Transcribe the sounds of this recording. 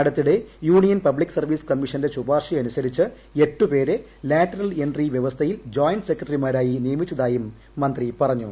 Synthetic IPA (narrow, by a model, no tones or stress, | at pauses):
ɐɽɐt̪ːiɽe̞juːɳijɐnpɐbɭikːsɐrʋiːskɐmːiʂɐnde̞t͡ɕubaːrʂiɐnusɐɾit͡ɕːɨ | e̞ʈːupe̞ːɾe̞ | laːʈːɐɾɐle̞ɳɖriʋjeʋɐst̪ʰɐjild͡ʑoːjɳɖɨse̞kːrɐʈrimaːɾaːjinijɐmit͡ɕːɐðaːjumː | ɐnd̪ripɐrɐɲːṵ